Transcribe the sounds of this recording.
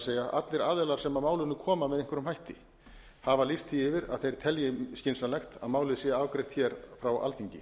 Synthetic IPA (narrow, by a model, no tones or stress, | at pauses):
seːjaʔa̰t̪lɪɾaːðɛlaɾ̥sɛmamaːwlʏnʏkʰɔːmamɛðɪŋ̥kvɾʏmɦajht̪ɪ | havalist̪ʰiɪvɪɾa̰ðθejɾ̥t̪ʰɛljɪscɪnsanlɛxt̪a̰ðmaːwlɪðsɛaaːwkɾɛht̪ʰçɛɾ̥fɾawa̰lθiɲcɪ